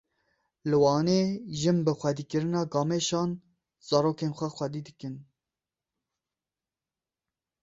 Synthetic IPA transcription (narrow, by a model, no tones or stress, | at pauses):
lɨwɑːneːʒɨmbɨxʷɛd̪iːkɨɾɨnɑːɡɑːmeʃɑːn | z̥ɑːɾoːkeːnxʷɛxʷɛd̪iːd̪ɨkɨn